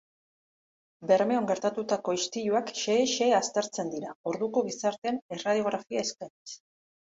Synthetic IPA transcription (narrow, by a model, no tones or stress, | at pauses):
be̞ɾme̞o̞ŋɡe̞ɾt̪at̪ut̪ako̞ist̪iʎuakʃe̞ːʃe̞ːast̪eɾt͡se̞nd̪iɾao̞ɾðuko̞ɣ̞isaɾt̪e̞nerað̞io̞ɣ̞ɾafiae̞skanis